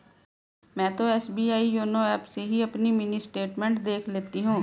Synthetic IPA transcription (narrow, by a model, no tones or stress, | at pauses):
mɛ̃ːt̪oɛːsbiːaːijoːnoɛːpseɦiɐpnimɪnisʈeːʈmẽːɳʈd̪eːkʰleːt̪iɦũː